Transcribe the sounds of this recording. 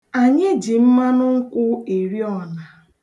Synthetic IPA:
a˨ɲɪ˦d͡ʒi˨m̩˦ma˦nʊ˦ŋ̩˦kʷʊ˦e˨ɾi˦ɔ˨na˨

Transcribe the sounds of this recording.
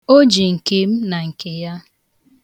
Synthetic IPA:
o˦d͡ʒi˨ŋ̩˨ke˨m̩˦na˨ŋ̩˨ke˨ja˦

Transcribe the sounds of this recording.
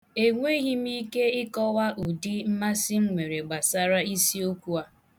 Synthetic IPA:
e˨ŋʷe˦ɣi˦m˦i˦ke˦ɪ˦kɔ˦wa˦ʔu˨di˦m̩˦ma˦si˦ŋ̩˦ŋʷe˨ɾe˨ɡ͡ba˨sa˦ɾa˦i˦si˦o˦kʷu˦a˦

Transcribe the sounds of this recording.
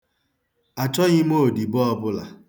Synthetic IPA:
a˨t͡ʃɔ˦ɣɪ˦m̩˦o˦˨di˨bʊ˦ɔ˦bʊ˦la̰˨

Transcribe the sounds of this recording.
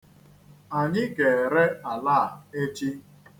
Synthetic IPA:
a˨ɲɪ˦ɡe˨ɾe˦a˨laː˦˨e˦t͡ʃi˦

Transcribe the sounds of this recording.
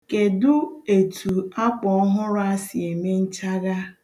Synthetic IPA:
ke˨dʊ˦e˨tʰu˨a˦k͡pɔ˨ɔ˦ɦʊ˦ɾʊ˦a˦sɪ˨e˨me˦n̩˦t͡ʃa˦ɣa˦

